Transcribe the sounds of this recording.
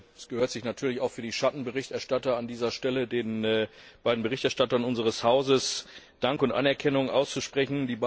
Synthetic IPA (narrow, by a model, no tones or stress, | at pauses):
ɛsɡ̥əhøːɐtz̥ɪçnatʰyːɐlɪçaʊxfyːɐdiːʃatn̩bəʁɪçtɛɐʃtatɐandiːzɐʃtɛlədeːnːb̥aɪdn̩bəʁɪçtɛɐʃtatɐnʊnzəʁəshaʊzəs | d̥aŋkʊntʔa̰nɛɐkʰɛnʊŋʔa̰ʊst͡suʃpʁ̥ɛçn̩diːb